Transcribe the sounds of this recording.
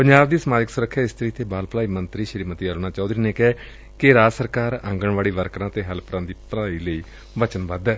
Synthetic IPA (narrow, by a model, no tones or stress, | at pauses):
pəɲd͡ʒaːbd̪iːsəmaːd͡ʒəksʊɾəkʰːjaːɪst̪əɾiːt̪ʰeːbaːlplaːiːmənt̪ɾiːʃəɾiːmət̪iːəlnaːt͡ʃaːd̪ɾiːneːkɛː | kɪɾaːsəɾkaːɾə̃ŋɡəɳʋaːɽiːʋəɾkɾãːt̪eːɦəlpɾãːd̪iːpɾaːiːləiː | ʋət͡ʃənbəd̪ː